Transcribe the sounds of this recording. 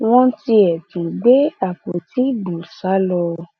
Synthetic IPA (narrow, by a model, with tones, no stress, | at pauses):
w̃ɔ̃˦ti˧ɛ˨tũ˨ɡ͡be˦a˦˨ko˨ti˦bũ˨sa˨˦lɔ˧